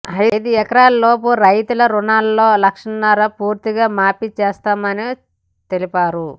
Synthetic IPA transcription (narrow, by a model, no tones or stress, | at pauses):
ɐjd̪uɛkɐɾaːlɐlo̞ːp̬uɾɐjt̪ulɐɾunaːlːo̞ːlɐkʂɐnnːɐɾɐpuːɾt̪iɡaːmaːpit͡ʃeːst̪aːmɐni | t̪e̞lipaːɾu